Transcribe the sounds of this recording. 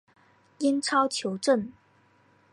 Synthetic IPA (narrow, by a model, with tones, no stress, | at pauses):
i˥nʈ͡ʂʰɑ˥ʊt͡ɕʰjo˧˥ʊʈ͡ʂə˥˩n